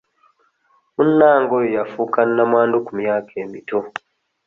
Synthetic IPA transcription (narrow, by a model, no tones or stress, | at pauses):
munːaːŋɡojojafuːkanːamwaːndukumjaːkʰe̞ːmito